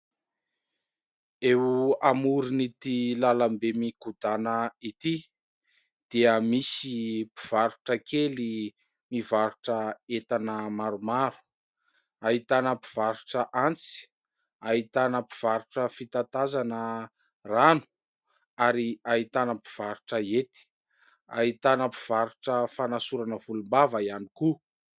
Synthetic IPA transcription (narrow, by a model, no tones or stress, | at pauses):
ewuamuɾinit̪ilalambemikud̪anəit̪i | d̪̥iəmisipiv̥aɾuʈ͡ʂəkʰeli | mivaɾuʈ͡ʂəet̪anəmaɾumaɾu̥ | aɦit̪anəpi̥v̥aɾuʈ͡ʂəʔant͡si̥ | aɦit̪anəpiv̥aɾuʈ͡ʂəfit̪at̪azanə | ranu̥ | aɾiaɦit̪anəpi̥v̥aɾuʈ͡ʂəet̪i̥ | a̰ɦit̪anəpi̥v̥aɾuʈ͡ʂəfanasuɾanəvulumbavaianiku